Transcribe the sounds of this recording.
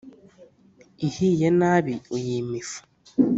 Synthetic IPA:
ihijenaːβiujiːmifu̥

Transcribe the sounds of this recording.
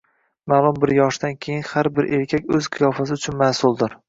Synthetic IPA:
malˠʊmbɪɾjɒʃd̪ankʲʰejɪnhaɾbɪɾʔe̞ɾkʲʰakʲɵzqʰɨjɒfas̬ɪʊt͡ʃʰʊnmaːsʊlˠd̪ɪɾ

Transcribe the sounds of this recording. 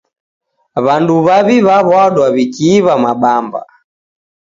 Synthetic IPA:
βanduβaβiβaβaɗwaβikiːβamaɓamba̰

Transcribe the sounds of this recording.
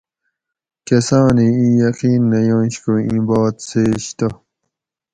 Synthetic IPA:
kesãːniĩjɐqiːnːɐjõːɕkoĩbɑːt̪seːɕt̪o

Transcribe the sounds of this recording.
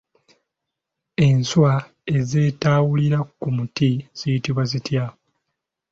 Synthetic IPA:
e̞nswa | e̞ze̞ːtaːwuliɾakumutiz̥ijitiβwazitja

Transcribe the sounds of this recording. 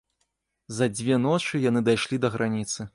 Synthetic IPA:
zɐd͡zʲvʲɛnɔt͡ʂɨjanɨd̪ajʂlʲid̪ɐɣɾanʲit̪sɨ

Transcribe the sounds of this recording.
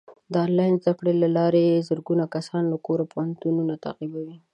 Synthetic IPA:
d̪əɑlɑjnzd̪akɽelalɑɾeezəɾɡunakasɑnlakoɾapʊhant̪ununat̪a̰qibawi

